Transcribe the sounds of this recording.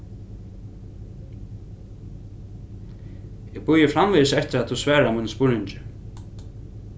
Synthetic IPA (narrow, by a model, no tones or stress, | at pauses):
ɛɣbʊjɪfɾamviðɪsɛht̪ɪɾaðt̪θusvɛːɾamunspʊɹnɪɲt͡ʃɪ